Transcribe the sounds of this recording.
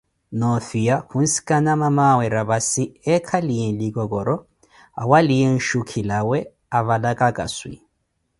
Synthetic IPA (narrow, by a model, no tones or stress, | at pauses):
nɔfijahun̩si̥kʼanamamawɛɾaβasiɛkʰalijɛnlikɔkɔɾɔ | a̰walijɛn̩ʃukʰilawɛ | aβalakʼakʼa̰swḭ